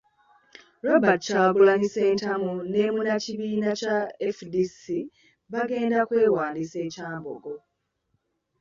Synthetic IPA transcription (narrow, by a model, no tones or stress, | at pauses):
ɾabacaːɡulanise̞ːntamune̞ːmunaciβiːnacaefdisi | βaɡe̞ːndakwe̞ːɾwaːndise̞ːcaːmbo̰ɡo̞